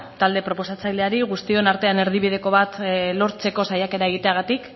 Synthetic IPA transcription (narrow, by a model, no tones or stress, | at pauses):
t̪ald̪e̞pɾo̞po̞sat͡sajld̪e̞aɾiɣust̪io̞naɾt̪e̞ane̞ɾð̞iβið̞e̞ko̞βat̪lo̞ɾt͡se̞ko̞sajake̞ɾae̞ɣ̞it̪e̞aɣ̞at̪ik